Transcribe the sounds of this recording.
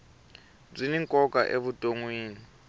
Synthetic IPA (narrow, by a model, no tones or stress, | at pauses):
b͡ʐiniŋkʼɔka̰ʔeβutʼoŋwiːni